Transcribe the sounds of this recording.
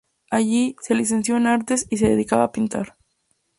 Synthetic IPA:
aʝiselis̬e̞nsjo̞enaɾt̪e̞sis̬e̞ðeðikaβaːpint̪a̰ɾ

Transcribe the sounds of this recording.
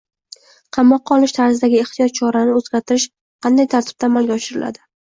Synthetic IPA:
qʰɑmːɒqːɑɒlˠɪʃt̪ʰaɾzɪd̪aɡʲɪeht̪ʰijɒt̪̚t͡ʃʰɒɾanɪozɡʲaɾt̪ʰɪɾɪʃ | qʰɑnd̪ajt̪ʰaɾt̪ʰɪb̚t̪aːmalˠɡʲaɒʃɪɾɪlʔa̰d̪ɪ

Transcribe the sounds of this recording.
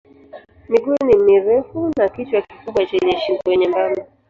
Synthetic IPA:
miɡunimiɾɛfunakitwakikuɓwat͡ʃɛɲɛʃiŋkɔwɛɲɛmbami

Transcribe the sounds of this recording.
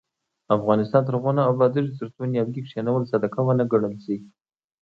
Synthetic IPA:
afɣɑnɪst̪ɑnt̪əɾɣɑnaːwlɑd̪əʒzɾt̪unjɑwɡikʂanawəlsad̪akawanaɡaɳəlseɡ

